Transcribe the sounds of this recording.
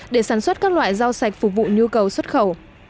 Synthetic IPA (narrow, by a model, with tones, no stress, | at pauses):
ɗe˧˩saː˧˩nswə˦˥t̚kaː˦˥k̚lwa̰ː˧˨jza˧wsa˨˩k̟̚fu˨˧˩k͡p̚vṵ˧˨ɲu˧kə˨˩wswə˦˥t̚xə˧˩w